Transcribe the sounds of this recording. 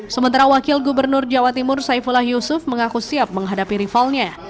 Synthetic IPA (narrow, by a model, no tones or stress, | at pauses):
səmənt̪aɾawakɪlɡubərnʊrd͡ʒawat̪imʊrsaifulahjusʊfməŋakusiap̚məŋɦadapiɾifalɲa